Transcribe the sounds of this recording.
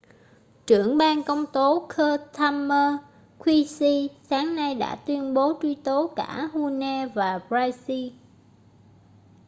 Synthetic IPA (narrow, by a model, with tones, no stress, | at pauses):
t͡ɕɨ˧˩əŋɓaː˧nkə˧wŋ͡mt̪o˨˦kʰəː˧t̪ʰaː˧məː˧ | kʰwi˧si˧saː˨˦ŋna˧jɗa̰ː˧˥t̪wi˧ənɓo˨˦t͡ɕwi˧t̪o˨˦ka̰ː˧˩hu˧nɛ˧vaː˨˩pɹaː˧jsi˧